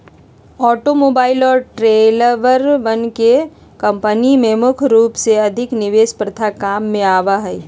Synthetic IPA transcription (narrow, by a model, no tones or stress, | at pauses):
ɔːʈomoːbaːɪlɔːɾʈɾeːləʋəɾʋənke | kɐ̃mpənimẽmʊkʰɾuːpseɐd̪ʱɪknɪʋeːspɾət̪ʰakaːmːẽaːʋaɦɛː